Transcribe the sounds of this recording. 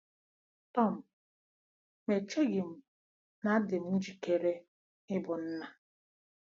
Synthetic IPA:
tɔ˦˨m̩˨ | me˨t͡ʃe˦ɡɪ˨m̩˨ | na˦dɪ˨m̩˦d͡ʒi˨ke˨ɾe˦ | ɪ˦bʊ˨n̩˦na˦

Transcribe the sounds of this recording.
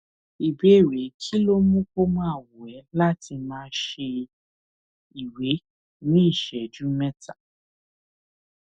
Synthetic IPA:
i˨be˨˦˨ɾe˨˦kʰi˦lo˦mũ˦ko˦mã˦a˦˨wo˨ɛ˨˦la˦ti˧mãː˧˦ʃe˧ | i˨we˨˦ | nĩ˦i˦˨ʃɛ˨d͡ʒu˦mɛ̃˦ta˦˨

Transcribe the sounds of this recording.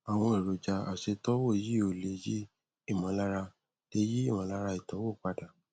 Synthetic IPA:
a˨w̃ɔ̃˧e˨ɾo˨d͡ʒa˧a̰˨se˨˧tɔ˦wo˦˨ji˦o˨le˨ji˦ | i˦˨mɔ̃˨˦la˦ɾa˧ | d̥e˧˦ji˦i˦˨mɔ̃˨˦la˦ɾa˧i˨tɔ˨˦wo˦˨k͡pa˧da˨

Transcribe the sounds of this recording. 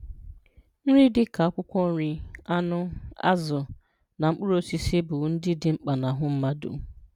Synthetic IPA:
n̩˦ɾi˦dɪ˦ka˨a˦kʷʊ˦kʷɔ˦n̩˦ɾi˦a˦nʊ˦a̰˦zʊ˨ | na˨ŋ͡m̩˦k͡pʊ˦ɾo˨si˨si˦bʊ˨˦n̩˦dɪ˦dɪ˨ŋ͡m̩˦k͡pa˨na˨ɦʊ˦m̩˦ma˦dṵ˨

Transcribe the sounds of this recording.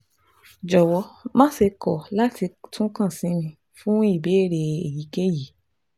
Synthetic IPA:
d͡ʒɔ˨wɔ˧˦mã˦se˧kɔ˨la˦ti˧tũ˦kã˦˨sĩ˨˦mĩ˧ | fũ˦i˦˨be˨˦e˦˨ɾe˧e˨ji˨˦ke˦ji˨˦

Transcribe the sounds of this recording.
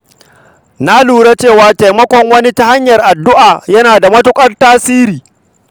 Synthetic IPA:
na˦luː˨ɽa˦t͡ʃeː˦˨waː˦ta˨jmɐ˦kʷɔ˨ŋwɐ˦ni˦ta˦ha˦ɲjɐ˨rʔa˨dːʊ˦ʔaː˨jɐ˦naː˨da˨mɐ˦tʊ˦kʷʼɐ˦rtaː˦siː˦ɾiː˨

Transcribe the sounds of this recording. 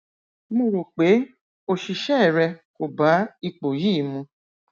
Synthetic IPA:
mo˧ɾo˨k͡pe˨˦ | o˧ʃi˧ʃɛ˦˨ɾɛ˧ko˨ba˨˦i˧k͡po˨jiː˦˨mũ˧

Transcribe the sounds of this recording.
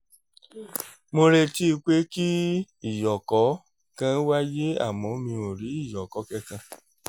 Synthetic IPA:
mo˧ɾe˧ti˦˧k͡pe˦ki˦ | i˦˨jɔ˨kɔ˨˦ | kã˦wa˦je˦a̰˦˨mɔ̃˨˧˦mĩ˧o˨ɾi˨˦i˦˨jɔ˨kɔ˨˦kɛ˧kã˧

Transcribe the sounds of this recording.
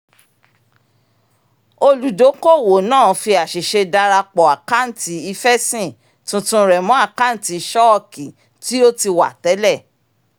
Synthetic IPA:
o˧lu˨do˨˦ko˦˨wo˨nãː˦˨fi˧a˨ʃi˨ʃe˧da˧ɾa˧k͡pɔ˨a˨ka˦n̩˦ti˨˦i˧fɛ˦sĩ˦˨ | tũ˨˦tũ˧ɾɛ˨mɔ̃˨˦a˦˨ka˦n̩˦ti˨˦ʃɔ˦˨ki˨ | ti˦o˦ti˧wa˨tɛ˨˦lɛ˦˨

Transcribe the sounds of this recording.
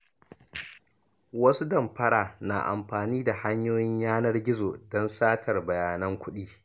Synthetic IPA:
wɐ˦su˦dɐ˨mɸɐ˦ɽaː˨na˨ʔa̰˨mɸaː˨niː˦da˨ha˦ɲjoː˦jɪ˦ɲjaː˦nɐ˦rɡʲɪ˦zoː˨dɔ˦nsaː˦tʰɐ˨rbɐ˨jaː˨nɐ˦ŋkʷʊ˦ɗiː˦

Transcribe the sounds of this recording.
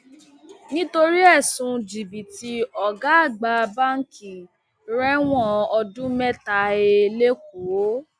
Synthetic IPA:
nĩ˦to˧ɾi˦ɛ˦˨sũ˧d͡ʒi˨bi˨ti˧ɔ˨ɡa˦a˦˨ɡ͡ba˧ba˦ŋ̩˦ki˨ | ɾɛ˦w̃ɔ̃˦˨ɔ˧dũ˦mɛ˦ta˧e˧le˦k̚u˨o˦

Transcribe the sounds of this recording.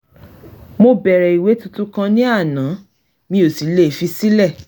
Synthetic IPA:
mo˧bɛ˨ɾɛ˨i˨we˨˦tu˧tu˦kã˧nĩ˦a˦˨nã˨˦ | mĩ˦o˨si˨˦le˦˨fi˧si˦lɛ˦˨

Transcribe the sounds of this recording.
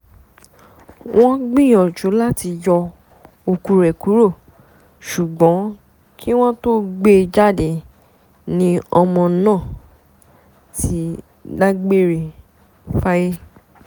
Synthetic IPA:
wʔɔ̃˦ɡ͡bĩ˦˨jɔ˨d͡ʒo˨˦la˦ti˧jɔ˧ | o˧ku˧ɾɛ˨ku˨˦ɾo˦˨ | ʃu˨ɡ͡bɔ̃˨˦ | kʰi˦w̃ɔ̃˦to˦ɡ͡be˦˧d͡ʒa˦de˨ | nĩ˦ɔ˧mɔ̃˧˦nãː˦˨ | tʰi˦ | da˦ɡ͡be˦ɾe˨ | fa˦je˦

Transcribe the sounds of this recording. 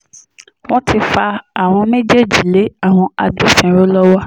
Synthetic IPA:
w̃ɔ̃˦tʰi˧fa˧a˨w̃ɔ̃˧mẽ˦d͡ʒe˦d͡ʒi˨le˨˦a˦˨w̃ɔ̃˧a˨du˦sɛ̃˨ɾo˦lɔ˦wa˦

